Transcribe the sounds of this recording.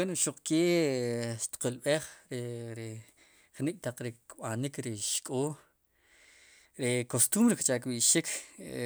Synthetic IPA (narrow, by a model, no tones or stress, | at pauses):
enoʃuq͡χkeː | ʃt̪i̥qulɓeχɾeɾe | χnikʼt̪aq͡χɾikɓanikɾiʃkʼoː | ɾekost̪umɾikt͡ʃakɓiʃik